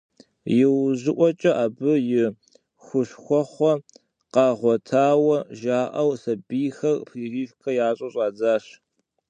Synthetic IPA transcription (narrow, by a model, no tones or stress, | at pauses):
jɪwʑɪʔʷɔt͡ʃʼɐʔaːbɨjɪ | xʷʊɕxʷɔχʷɔ | qɑːʁʷɔtʰaːwɐʒaːʔɐwsɐbijxɐrpʰiːriːfkʰɐjaːɕʼɐɕʼɑːd͡zaːɕ